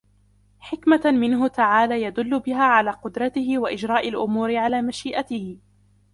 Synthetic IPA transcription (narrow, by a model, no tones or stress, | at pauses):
ħɪkmamɪnɦʊt̪aʕaːlaːjad̪ʊlːʊbɪɦaːʕalaːqʊd̪ɾˤɑt̪ɪhɪwaʔɪd͡ʒɾˤɑːʔalʔʊmuːɾɪʕalaːmaʃiːʔat̪ɪhɪ